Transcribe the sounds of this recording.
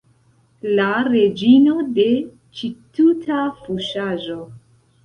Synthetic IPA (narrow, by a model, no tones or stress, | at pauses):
laɾe̞d͡ʒino̞de̞ | t͡ʃitutʰafuʃaʒo̞